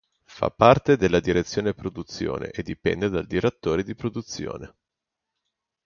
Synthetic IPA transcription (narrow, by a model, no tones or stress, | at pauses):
fa̰pːart̪ed̪elːad̪iɾet̪sːjoːnepɾod̪ut̪sːjo̰ːnḛʔed̪ːipɛ̰nd̪ed̪ald̪iɾat̪ːoːɾed̪ipɾod̪ut̪sːjo̰ːne